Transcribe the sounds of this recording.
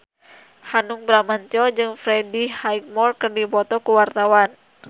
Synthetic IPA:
hanuŋbɾamaɲt͡ʃɔd͡ʒɨŋfɾɛdihaik̚mɔrkɨrdibɔt̪ɔkuwart̪awan

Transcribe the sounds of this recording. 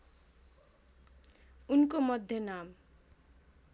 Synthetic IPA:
unkomʌd̪ʱjʌnam

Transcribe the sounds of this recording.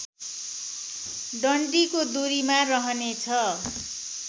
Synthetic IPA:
ɖʌɳɖikod̪uɾimarʌɦʌnet͡sʰʌ

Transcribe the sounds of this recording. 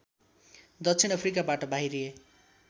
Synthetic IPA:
d̪ʌkt͡sʰinʌpʰrikabaʈʌbaɦiɾie

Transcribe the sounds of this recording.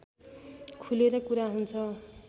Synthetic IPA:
kʰuleɾʌkuɾaɦunt͡sʰʌ

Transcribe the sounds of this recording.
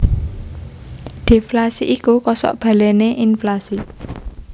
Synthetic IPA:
d̪̥e̤flasiʔikukɔsɔ̰ʔb̥a̤leneʔinflasi

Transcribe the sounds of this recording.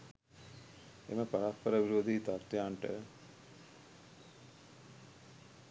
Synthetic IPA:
ḛməpɐɾat̪̚pəɾəʋiɾod̪it̪at̪ːjaːɳʈə̰

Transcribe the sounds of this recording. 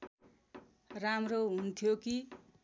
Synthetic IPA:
ramroɦunt̪ʰjoki

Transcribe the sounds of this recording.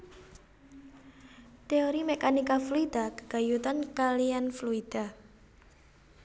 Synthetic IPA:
t̪eoɾimekanikafluid̪̥akə̥ɡ̥a̤jut̪ankalianfluid̪̥a

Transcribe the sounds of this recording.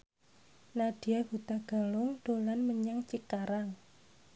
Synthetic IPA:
naɖ̥i̤abut̪aɡ̥a̤lʊŋɖ̥olanməɲaŋt͡ʃikaɾaŋ

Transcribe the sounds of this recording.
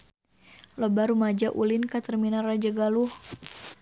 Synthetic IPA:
lɔbaɾumad͡ʒaʔulinkat̪ərminarad͡ʒaɡaluh

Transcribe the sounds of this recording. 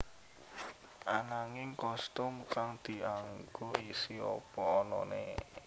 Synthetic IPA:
ʔanaŋɪŋkɔst̪ʊmkaŋd̪̥i̤aŋɡ̥oisiɔ̰pɔːnɔ̰nḛ

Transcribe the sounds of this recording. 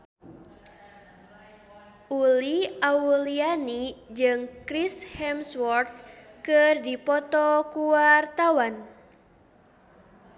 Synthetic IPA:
ʔuliaulianid͡ʒɨŋkɾishɛmswɔrt̪̚kɨrdipɔt̪ɔkuart̪awan

